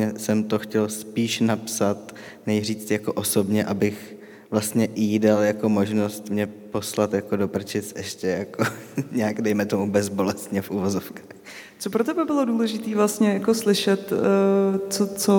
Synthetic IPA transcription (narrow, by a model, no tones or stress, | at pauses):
ɛsɛmt̪o̞xcɛlspiːʃnapsat̪ | nɛjr̝iːt͡st̪jako̞ʔoso̞bɲɛʔabɪx | vlast̪ɲɛʔidaljako̞mo̞ʒno̞st̪mɲɛpo̞slat̪jakodo̞pr̩t͡ʃɪt͡sʔɛʃcɛjakoɲɛaɡdɛjmɛt̪o̞mubɛzbo̞lɛst̪ɲɛfʔuvozofkḁːx | t͡sopɾot̪ɛbɛbɪloduːlɛʒɪt̪iːvlast̪ɲɛjakoslɪʃɛt̪ː | t͡sot͡so